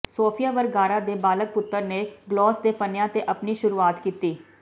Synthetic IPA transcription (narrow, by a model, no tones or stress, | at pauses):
soːpʰijaːʋəɾɡaːɾaːd̪eːbaːlək̚pʊt̪ːəɾneːɡlɔːsd̪eːpənjãːt̪eːʔəpniːʃʊɾuːaːt̪kiːt̪iː